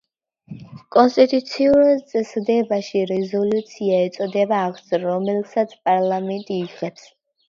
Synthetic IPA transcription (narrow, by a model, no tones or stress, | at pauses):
kʼɔnst̪ʼit̪ʼut̪sʰiuɾt̪sʼɛsd̪ɛbaʃiɾɛzɔlut̪sʰiaɛt̪sʼɔd̪ɛbaːksɾɔmɛlsat̪sʰpʼaɾlˠamɛnt̪ʼiːʁɛps